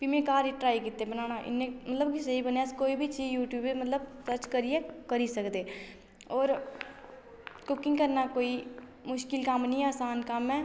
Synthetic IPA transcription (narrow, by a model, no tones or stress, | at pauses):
piːmẽkaːɾiʈɾaːikit̪ːebənaːnaʔɪ̰nːẽmɐt̪ləb̚kisɐɦibəneskoːibʱit͡ʃʰiːjuːʈjuːbemɐt̪ləbsəɾt͡ʃkəɾiekɐɾisɐkd̪eː | ɔːɾ | kʊkɪ̃ŋɡkɐɾnakoːi | mʊʃkɪlkamnɐɦĩaːsaːnkamɦɛ̃ː